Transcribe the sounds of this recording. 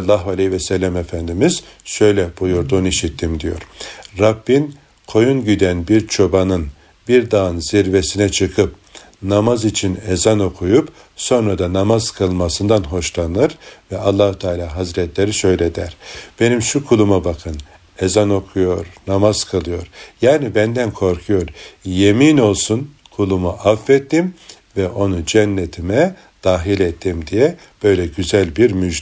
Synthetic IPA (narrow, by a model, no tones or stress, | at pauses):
lˠːaɦalʲivɛsɛlʲːæmefænd̪imiz̥ | ʃø̞jlʲɛb̥ujuɾd̪uniʃit̪ʰːimd̪ijo̞̰ɾɾabːin | kʰo̞junɟyd̪ænbiɾt͡ʃʰo̞banɯn | biɾd̪aɯnziɾvesinɛt͡ʃʰɯkʰɯp̚ | namazit͡ʃʰinezano̞kʰujup | so̞nɾad̪anamazkʰɯlˠmasɯnd̪anɦo̞ʃlˠanɯɾvɛalˠːaːhut̪ʰaːlʲaːɦazɾɛt̪ʰlʲe̞ɾiʃø̞jlʲed̪æɾ̥b̥e̞nimʃukʰulˠumabakʰɯn | ezano̞kʰujo̞ɾnamaz̥kʰalˠɯjo̞ɾjaːnibænd̪ænkʰo̞ɾkʰujo̞ɾje̞miːno̞lˠsun | kʰulˠumuʔafːɛt̪ːim | vɛʔo̞nud͡ʒɛnːet̪ʰimɛ | d̪̥aːɦilʲet̪ʰːimd̪ijɛ | b̥ø̞jlʲɛɟyzælʲbiɾmyʒ